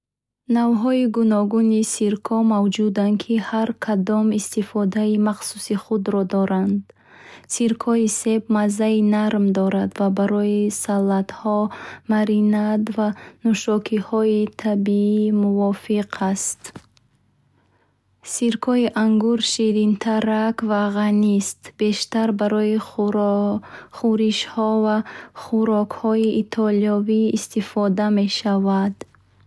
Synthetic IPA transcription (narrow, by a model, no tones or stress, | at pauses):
navɦɔiɡunɔɡunisiɾkʰɔmavd͡ʒud̪ankʰihaɾkʰad̪ɔmist̪ifɔd̪aimaχsusiχud̪ɾɔd̪ɔɾand̪ | siɾkʰɔise̞b̚mazːainaɾmd̪ɔɾad̪vabaɾɔisalːat̪hɔmaɾinad̪vanuʃɔkʰihɔit̪ʰabiimuvɔfiqʰast̪ | siɾkʰɔiʔaŋɡuɾʃiɾint̪ʰaɾakvaʁanist̪be̞ʃt̪aɾbaɾɔi | χuɾiʃhɔvaχuɾɔkhɔiʔːt̪ʰɔliɔviːst̪ifɔd̪ame̞ʃavad̪